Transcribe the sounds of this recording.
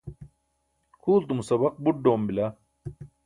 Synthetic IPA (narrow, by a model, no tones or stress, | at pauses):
kʰuːlt̪umusɐbɐq̚buʈ̚ɖoːmbila